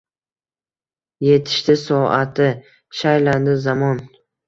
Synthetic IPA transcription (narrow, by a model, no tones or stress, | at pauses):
je̞t̪ʰɪ̥ʃt̪ɪsɒat̪ʰɪ | ʃajland̪ɪzamɒn